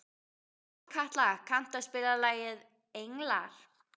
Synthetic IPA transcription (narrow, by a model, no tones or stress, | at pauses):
kʰaht̪laɣakʰan̥t̪aspɪlalaːjɪð | ejŋlaɾ̥